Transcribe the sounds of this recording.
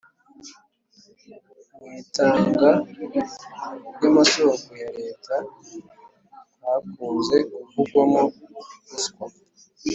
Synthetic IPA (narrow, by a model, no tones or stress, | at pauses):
witaːŋɡa | jamatokujaɾe̞ːtʰa | hakuːnze̞uvuɡwamouskwa